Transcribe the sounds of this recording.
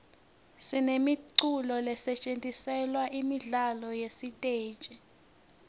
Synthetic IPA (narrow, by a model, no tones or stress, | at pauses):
sinemiǀulɔlɛsɛt͡ʃʼentʼisɛlwaʔimiɮalɔjesitʼe̥ːt͡ʃʼɛ